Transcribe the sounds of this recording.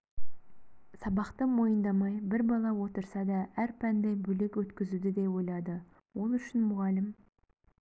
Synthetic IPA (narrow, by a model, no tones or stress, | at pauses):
sɑbɑqt̪əmo̞jənd̪ɑmɑjbɪɾbɑlˠɑwo̞t̪əɾsɑd̪ɑæɾpʰænd̪ebɵlekwɵt̪kʲɪzud̪ɪd̪e̞wo̞jlˠɑd̪ə | wo̞lˠʏʃɪnmʊʁɑlɪm